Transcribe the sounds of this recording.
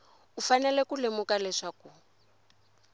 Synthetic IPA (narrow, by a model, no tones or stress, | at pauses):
ufanɛlɛkulemukalɛʂaku